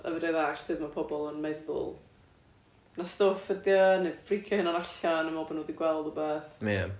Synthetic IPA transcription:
ə̰vəɾɛðaɬsʰɨːðmapʰɔbɔlˠənmɛðʊ̰lˠ | nastoːfədjɔnɨd̥frikʰjɔhɪnaɾaɬanəmɔbənoːdiɡwɛlˠdɔbeːθme

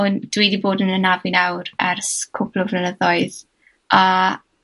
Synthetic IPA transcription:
ɔnd̥wiːdiboːdənənavɪnawɾɛrskʰʊpʰlɔvlənəðɔɨð | a

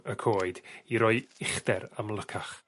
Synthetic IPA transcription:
əkʰoːɨdiɾɔɨɪχdɛɾamlˠəkʰaχ

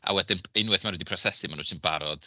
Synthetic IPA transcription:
a̰wɛdɪnejnwɨθmanwidipʰrɔsɛsimanuːtʰɪnbaɾɔd̥

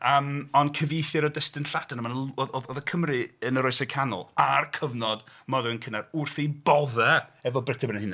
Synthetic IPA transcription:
əːmɔnkʰəvejθjɔɾɔdəstɨnɬadanəmanəlɔɔðɔðəkʰəmrɨənəɾɔɨsɛkʰanʊ̰lˠarkʰəvnɔdmɔduənkʰənarʊrθibɔvɛɛvɔbrətʰəbənənhɪn

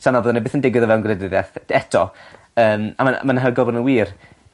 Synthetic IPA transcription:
sanɔvoːðanibɪːθəndɪɡwɪðɔvɛwnɡrɛdɪðɛθɛtʰɔ | əːma̰maa̰manɦaɡɔbɔdnənwiːr

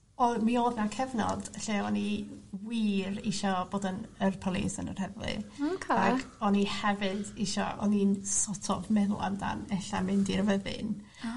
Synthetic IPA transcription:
ɔmioːðnakʰɛvnɔ̰d̥ɬeːɔniwiːriʃɔboːdənərpʰɔlˠḭsə̰nə̰rhɛvlɨ̰okʰeaɡʰɔnihɛvɨdiʃɔ̰ʔɔ̰ninsɔtʰɔvmɛðʊ̰lˠa̰mda̰nɛɬamɪndirvəðɪ̰n

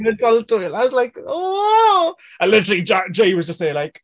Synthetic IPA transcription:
nədʌlˠtojə̃naɪwɒzlaɪko | ə̃lɪtəɹəlˠid͡ʒad͡ʒeɪwɒzd͡ʒʌstseɪlaɪk

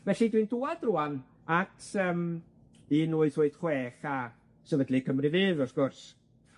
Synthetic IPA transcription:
vɛɬidwinduːad̥ruːan | atʰəːm | inuːɨθʊːɨd̥χweːχa | səvədlikʰəmrɨvɨːðɔsɡ̥ʊrs

